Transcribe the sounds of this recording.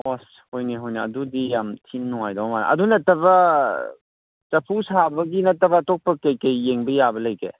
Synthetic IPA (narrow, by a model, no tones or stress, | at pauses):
ɔs | hojneɦojnɐɐdudijamtʰinnɔŋajdɔwmana̰ʔɐ̰dunɐtɐbɐ | t͡ʃɐpʰusabɐɡinɐtːɐbɐtɔk̚pɐkɐjkɐjːeŋbɐjabɐlɐjkḛ